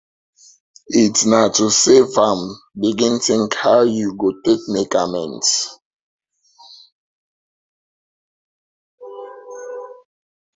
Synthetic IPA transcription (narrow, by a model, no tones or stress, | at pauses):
itnatʰusevãm | biɡĩnθɪ̃ŋkhawjuɡotek̚mekamɛ̃nt